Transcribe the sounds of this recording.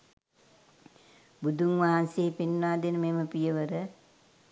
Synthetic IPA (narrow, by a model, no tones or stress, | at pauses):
bud̪uŋʋaɦanseːpinːaːd̪enəmeːməpijəʋəɾə